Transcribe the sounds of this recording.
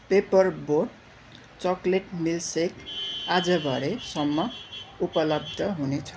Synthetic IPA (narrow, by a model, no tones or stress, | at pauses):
pepʌrborɖ | t͡sʌkleʈmilsekad͡zʌbʱʌɾesʌmːʌupʌlʌb̚d̪ʱʌɦunet͡sʰʌ̥